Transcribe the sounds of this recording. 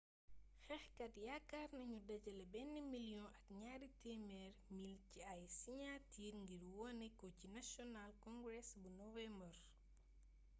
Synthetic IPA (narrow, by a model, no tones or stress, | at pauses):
xɛxkɐtjakːaɾnɐɲudɐɟɐlɛbɛnːimilijɔ̃ʔɐkɲaɾitemɛɾmilciajsiɲatiːɾŋɡiɾwɔnɛkocinasjɔnalkɔ̃ŋɡɾɛsbunɔvɛmbər